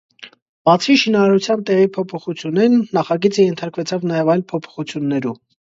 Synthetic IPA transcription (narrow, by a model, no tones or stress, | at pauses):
b̥ɑt͡sʰiʃinɑɾɑɾut͡sʰjɑnt̪ɛʁipʰɔpʰɔχut͡sʰjunɛɾnːɑχɑɡit͡səjɛnt̪ʰɑɾkvɛt͡sʰɑvnɑjɛvɑjlpʰɔpʰɔ̥χut͡sʰjunːɛɾu